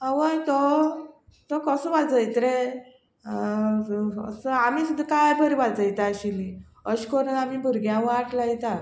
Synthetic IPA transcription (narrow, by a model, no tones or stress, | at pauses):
aʋəjt̪ɔ | t̪ɔkəsə̃ʋad͡zəjt̪ɾe | ə̰səamisud̪ʱːakajpəɾibad͡zəjt̪aːɕili | əɕkɔɾənamibʱuɾɡjãʋaʈlajt̪at̪